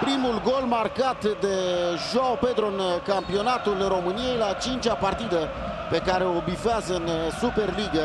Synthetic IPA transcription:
pɾimulɡo̞lmarkat̪d̪e̞ʒoaope̞d̪ɾoɨnkampio̞nat̪ulro̞mɨnije̞jlat͡ʃint͡ʃapart̪id̪e | pe̞kaɾe̞obifeazəɨnsupe̞rliɡə

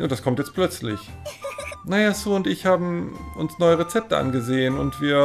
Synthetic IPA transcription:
jad̥askʰɔmtjɛt͡st̚pʰl̥œt͡slɪç | najaːsuːʊntɪçhaːbm̩ʔʊ̰nsnɔʏəʁet͡sɛp̚təʔa̰nɡəzeːənʊ̰ntv̥iːɐ

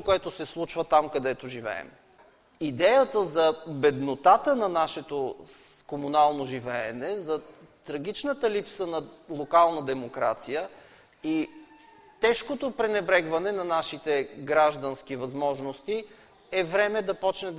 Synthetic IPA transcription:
koɛt̪osɛslˠut͡ʃvət̪amkɐd̪ɛt̪oʒivɛ̰ɛ̰m | id̪ɛjət̪əzɐbɛd̪not̪at̪ənɐnaʃɛt̪o | komunalˠnoʒivɛɛnɛzɐt̪ɾɐɡ̟ʲit͡ʃnət̪əlipsənɐlˠokalˠnɐd̪ɛmokɾa̰t̪sijə | i | t̪ɛʃkot̪opɾɛnɛbɾɛɡvɐnɛnɐnaʃit̪ɛɡɾaʒd̪ɐnskivɐzmɔʒnost̪i | ɛvɾɛmɛd̪ɐpɔt͡ʃnɛ

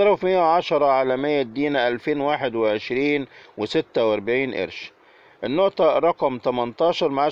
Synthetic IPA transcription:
ɑɾˤfmɪjːæwʕaʃɑɾˤɑʕaːlæmɪjːæd̪ːiːnæʔælfeːnwaːħed̪wɪʕeʃɾiːnwɪsɪt̪ːæwʔæɾbaʕiːnʔḛɾʃ | ʔɪnːoʔt̪ˤɑɾˤɑqɑmt̪æmænt̪ˤɑːʃɑɾˤmaʕa

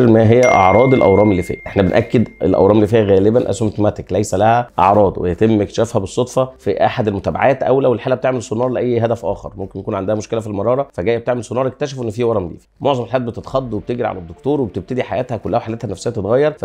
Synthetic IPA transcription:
ɾmæɦejːæʔɑ̰ʕɾˤɑːd̪elʔæ̰wɾˤɑːmelːifḭːhæʔeħnæbenʔækːed̪ḛlʔæ̰wɾɑːmelːiːfiːhæɣæːlebænʔæ̰somt̪mæt̪eklæjsælæhæʔɑ̰ʕɾˤɑːd̪wḛjæt̪emːekt̪ʃæːfhæbesˤːod̪ˤfɑfiʔa̰ħad̪elmot̪æːba̰ʕaːt̪ʔæ̰wlæwelħaːlʔæb̚t̪eʕmelsonːɑːɾˤleʔæjːɦæd̪æfʔæ̰ːxḛɾˤmomkenjækuːnʕand̪æhæmoʃkelæfilmɑɾˤɑːɾˤɑfæɡæːjæb̚t̪eʕmelsonːɑːɾˤʔek̚t̪æʃ̬æfʔenːfiːwɑɾˤɑmd̪ḭːfimoʕzˤɑmelħajæːt̪bet̪et̪xɑd̪ˤːweb̚t̪eɡɾiʕa̰læd̪ːokt̪oːɾˤwebet̪eb̚t̪æd̪iħajæːt̪hækolːæhæħaleːt̪hænæfseːæt̪et̪ɣɑjːɑɾˤfæ

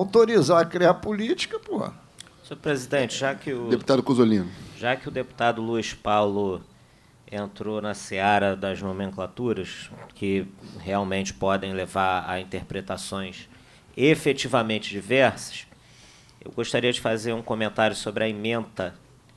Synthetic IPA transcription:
awt̪oɾizakɾiapulit͡ʃi̥kɐpoh | soɾpɾezid̪ẽnt͡ʃɪʒakɪʊeput̪ad̪ʊkozolĩnʊʒakɪʊd̪epu̥t̪ad̪ʊluiʃpawlʊ | ẽnt̪ɾonɐseaɾɐd̪ɐznomẽŋklat̪uɾɐʃkʰɪheawmẽnt͡ʃɪ̥pɔd̪ẽj̃levaɾɐ̰ĩt̪eɾpɾet̪asõj̃s | efet͡ʃivɐmẽnt͡ʃɪd͡ʒivɛɾsɐ̥ʃ | ḛwɡoʃt̪aɾiɐd͡ʒɪfazeɾũkõmẽnt̪aɾjʊsobɾɪɐimẽnt̪ɐ

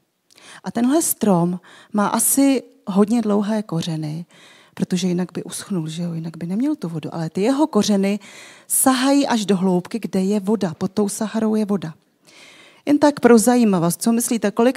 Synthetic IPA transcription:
ʔat̪ɛnɦlɛst̪ɾo̞mːaːʔasɪɦo̞dɲɛdlo̞wɦɛːko̞r̝ɛnɪ | pɾo̞t̪o̞ʒɛjɪnaɡ̚bɪʔusxnulʒɛo̞jɪnaɡbɪnɛmɲɛlt̪uvo̞duʔa̰lɛt̪ɪjɛɦo̞ko̞r̝ɛnɪsaɦajiːʔaʒdo̞ɦlo̞wpkɪɡdɛjɛvo̞dapot̪ːo̞wsaɦaɾo̞wjɛvo̞da | jɛnt̪akpɾo̞zajiːmavost͡so̞mɪsliːt̪ɛko̞lɪk

